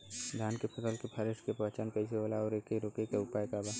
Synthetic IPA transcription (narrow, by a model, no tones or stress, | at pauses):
d̪ʱjaːnkepʰəsəlkepʰəɾɪʃkepət͡ʃənkəis̬eɦoːlaɔːɾekəiɾokekeʊpaːjkabaː